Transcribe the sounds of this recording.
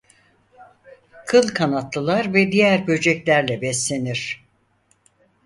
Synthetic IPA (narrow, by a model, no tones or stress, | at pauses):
kʰɯlˠkʰanat̪lˠɯlˠaɾvɛd̪ijæɾbø̞d͡ʒɛclʲæɾlʲɛbɛslʲe̞niɾ̥